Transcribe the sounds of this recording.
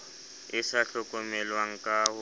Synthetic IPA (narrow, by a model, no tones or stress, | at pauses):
ɪsaɬɔkʼɔmɛlwaŋ̩kʼaɦʊ